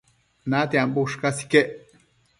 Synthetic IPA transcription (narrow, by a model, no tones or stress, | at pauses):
nãt̪iãmbuʂkasi̥keʔ